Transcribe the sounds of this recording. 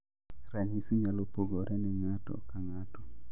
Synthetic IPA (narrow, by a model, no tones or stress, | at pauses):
ɾaɲisiɲalopoɡoɾʔɛnɛŋatɔ̰kaŋatɔ